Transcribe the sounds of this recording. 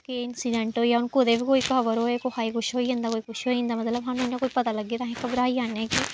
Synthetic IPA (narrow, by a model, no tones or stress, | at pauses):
keɪnsɪɖɛ̃ːɳʈoːjaʊnkoːd̪ebikoːikəʋəɾɦoːekoɦaːikʊʃɦoːiẽnd̪aːkoːikʊʃɦoːiĩnd̪aːmət̪ləbɦaːnũnːãkoːipət̪aləɡːeːt̪ãɦẽkəbɾaːiaːneːki